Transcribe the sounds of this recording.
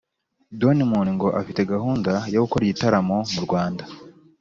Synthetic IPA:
do̞nimuːniŋɡo̞ʔafite̞ɡaɦuːndajoɡukoɾiitaɾamo̞muɾɡwaːnda

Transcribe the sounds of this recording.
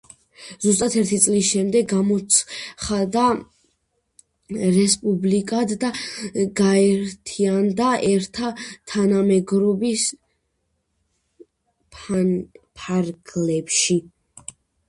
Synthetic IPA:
zus̬t̪ʼat̪ʰɛɾt̪ʰit̪sʼlisʃɛmd̪ɛɡɡamɔt̪sχad̪a | ɾɛspʼublikʼad̪d̪aɡaɛɾt̪ʰiand̪aɛɾt̪ʰat̪ʰanamɛɡɾɔbis | pʰanpʰaɾɡlɛpʃi

